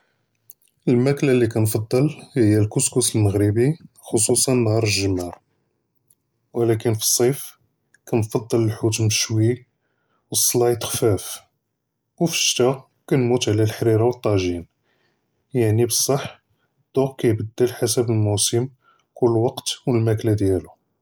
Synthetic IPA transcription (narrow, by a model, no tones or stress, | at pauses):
ʔəlmæklalːikænfɑd̪ˤːəlhəjːælkʊskusəlməɣɾəbi | xosusˤɑnːhɑɾˤəʒəmːɑɾˤ | wəlækənfi̥sˤːɑf | kænfɑd̪ˤːələlħut̪mʃwi | wəsˤːlɑjt̪xfæf | wfə̥ʃt̪æ | kænmut̪ʕlælħɾiɾɑwət̪ˤːɑʒin | jaʕnibəsˤːɑħ | d̪̥ʊqkæjbəd̪ːəlħasəbəlmusəm | kʊlːwɑqt̪wəlmæklæd̪jælu